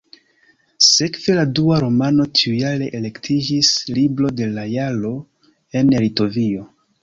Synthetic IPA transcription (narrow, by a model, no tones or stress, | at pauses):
se̞kve̞laduaɾo̞mano̞t͡ʃiujale̞ʔele̞ktʰid͡ʒislibɾo̞de̞lajalo̞ | e̞nelito̞vio̞